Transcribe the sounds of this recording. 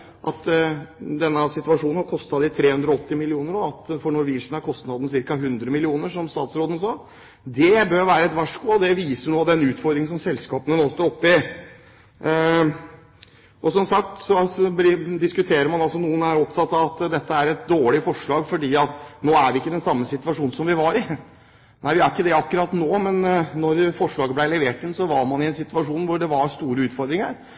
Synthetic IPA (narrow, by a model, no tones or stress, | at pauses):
ʔɑ̰t̪ | d̪ɛnːəsɪt̪ʉɑʂuːnn̩hɑɾkʰɔst̪ɑd̪ɪt̪ʰɾeːhʉnd̪ɾɔɔt̪ːɪmɪlɪuːnəɾoɑt̪fɔɳɔɾʋɪʂn̩hɑɾkʰɔst̪nɑd̪nəs̬ɪɾkɑɦʉnd̪ɾəmɪlɪuːnəʂɔmst̪ɑːt̪sɾoːd̪ən̩sɑː | d̪ɛbøːɾʋæːɾəɛt̪ʋæʂkʊɔd̪ɛʋiːsəɳoːɑd̪ɛnʉːt̪fɔɾd̪ɾɪŋsɔmsɛlskɑːpənənoːst̪əɾɔpːəɪ | ʔɔsɔmsɑk̚t̪sɔbɪd̪ɪskʉt̪ʰeːɾəɾmɑnɑlsɔnuːənæːɾɔpt̪ʰɑt̪ːɑʋɑt̪d̪ɛt̪ːəæɾɛt̪̚d̪oːɭɪfɔʂɭɑːɡfɔɖiːɑt̪noːæɾʋɪɪkːəd̪ɛnsɑmːəsɪt̪ʋɑʂuːn̩sɔmʋɪʋɑɾɪ | næɪʋɪæɾɪkːəd̪ɛɑkːʉɾɑt̪noːmɛnnɔɾfɔʂɭɑːɡəblæɪlɛʋeːʈɪnsɔʋɑɾmɑnɪɛnsɪt̪ʋɑʂuːnʋʊɖɛʋɑɾst̪uːɾəʉːt̪fɔɾd̪ɾɪŋəɾ